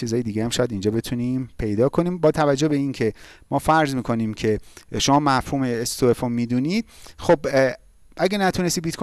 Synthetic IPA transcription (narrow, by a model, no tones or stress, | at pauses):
iːzɒːjed̪iːɡehæmʃɒːjæd̪ind͡ʒɒːbe̞t̪ʰunimpʰe̞jd̪ɒːkʰo̞niːmbɒːt̪ʰævæd͡ʒːo̞be̞iːncʰe̞mɒːfæɾzmiːkʰo̞niːmcʰe̞ʃo̞mɒːmæfhuːmeːst̪ʰoefomːid̪uːniːd̪̥̚xob | ʔæɡenæt̪ʰune̞st̪iːbiːt̪kʰo